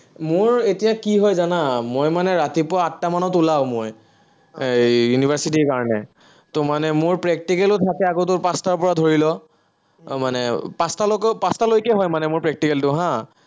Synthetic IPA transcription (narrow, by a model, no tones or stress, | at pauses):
mʊɹetijakiɦɔjzanamojmanɛɹatipʊɹaːtːamanɔtulaʊmoj | ejunibʱaɹsitikaɹɔnɛ̰ | tʊmanɛmʊɹpɹɛk̚tikɛlʊtʰakɛakot̬ʊɹpastaɹpɔɹadʱoɹilɔ | manɛpastalɔkpastalojkɛɦɔjmanɛmʊɹpɹɛk̚tikɛltʊɦã